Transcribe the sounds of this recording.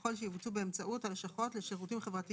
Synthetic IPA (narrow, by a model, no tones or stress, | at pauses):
o̞lʃejivut͡subeemt͡saʔutalʃaχotleʃeʁutimχevʁati